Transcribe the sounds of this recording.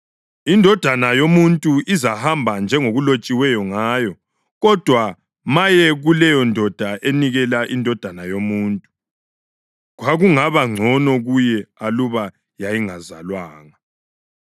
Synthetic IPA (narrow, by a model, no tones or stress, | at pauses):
indʱɔd̥ʱanajomuntʼuʔizahambʱand͡ʒʱɛŋoɣulot͡ʃʼiwɛjɔŋaːjɔ | ɣɔd̥ʱwa | majɛɣulɛjɔndʱɔd̥ʱaʔeniɣɛlaʔindʱɔd̥ʱanajomuːntʼu̥ | ɣwaɣuŋaβaŋ͡ǀʱɔnɔɣujɛaluβa | jajiŋazalwaːŋa